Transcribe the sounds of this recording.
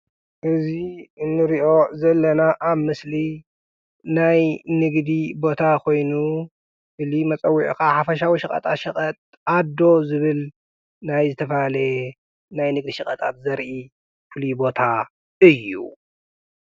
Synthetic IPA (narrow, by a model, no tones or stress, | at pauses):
ʔɨziɨnːɨɾiʔo̞zɐlːɐnaʔaβmɨsli | najnɨɡd̪ibo̞t̪ʰakʰo̞jnu | ʔɨlimɐt͡sʼɐwːiʕkaħafɐʃawiʃɐkʼɐ̰t̪ʼaʃɐkʼɐt̪̚ʼ | ad̪o̞zɨβɨl | najzɨt̪ʰɐfɐhalɐ | najnɨɡd̪iʃɨkʼɐt̪ʼat̪̚zɐɾʔi | fɨlibo̞t̪ʰa | ɨjːṵ